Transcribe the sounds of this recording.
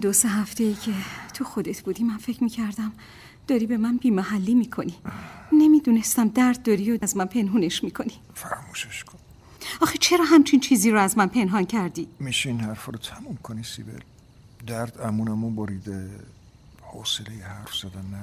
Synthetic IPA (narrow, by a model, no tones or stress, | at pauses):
d̪oseɦæft̪e̞jiːcʰe̞t̪ʰuxod̪et̪ʰbuːd̪imænfecʰmiːcʰæɾd̪æm | d̪̥ɒːɾiːbe̞mænbiːmæɦælːimiːkʰo̞nine̞miːd̪unest̪æmd̪æɾd̪̚ːɒɾiozmænpʰe̞nɦuːne̞ʃmiːkʰo̞ni | fæɾmuːʃeʃkʰon | ɒːxet͡ʃʰe̞ɾɒːɦæmt͡ʃʰint͡ʃʰiːziːɾɔæzmænpʰe̞nɦɒncʰæɾd̪iːmiːʃeinhæɾfɔɾɔt̪ʰæmumkʰonisḭbḛl | d̪æɾd̪æmunæmubɒɾid̪e | hoːselejehæɾfz̥æd̪ænːæ